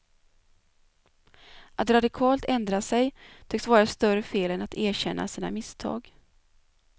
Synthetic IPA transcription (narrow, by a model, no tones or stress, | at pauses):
ʔat̪ɾad̪ɪkʰɑːlt̪ɛnd̪ɾasɛjt̪ʰʏkt̪vɑːɾast̪œɾəfeːlɛnat̪ʰæːɾɕɛnːʔa̰siːna̰mɪst̪ʰɑ̰ːɡ